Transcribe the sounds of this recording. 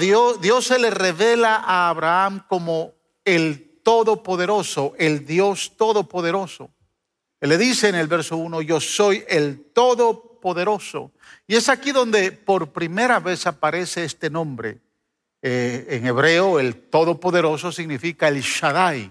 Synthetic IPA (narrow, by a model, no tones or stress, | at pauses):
ðoðjo̞sele̞reβe̞laʔaːβɾaamko̞mo | elt̪o̞ðopo̞ðe̞ɾo̞soʔe̞ld̪jo̞st̪o̞ðo̞po̞ðeɾo̞so̰ | leðise̞ːnelβe̞ɾso̞uno̞ʝo̞so̞jelt̪o̞ðo̞po̞ðe̞ɾo̞so̰ | ie̞sakiðo̞nd̪e̞po̞ɾpɾime̞ɾaβe̞sapaɾe̞seest̪e̞nõ̞mbɾḛ | eːŋeβɾe̞oe̞lt̪o̞ðo̞po̞ðe̞ɾo̞so̞siɣnifikae̞lʃaðaj